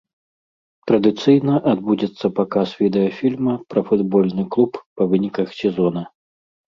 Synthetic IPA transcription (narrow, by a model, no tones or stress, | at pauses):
t̪ɾɐd̪ɨt̪sɨjnɐʔad̪̚bud͡zʲɛt̪sːɐpakasvʲid̪ɛjɐfʲilʲmɐpɾɐfud̪bɔlʲnɨklˠuppɐvɨnʲikɐxsʲɛzɔnɐ